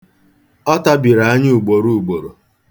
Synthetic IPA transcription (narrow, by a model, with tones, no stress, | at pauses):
ɔ˦ta˦bi˨ɾa˨a˦ɲɪ˦u˨ɡ͡bo˨ɾu˦u˨ɡ͡bo˨ɾo˨